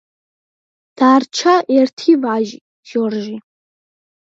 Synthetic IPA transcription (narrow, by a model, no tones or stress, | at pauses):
d̥aːrt͡ʃʰaʔertʰivʕaʒ | ʒ̥orʒi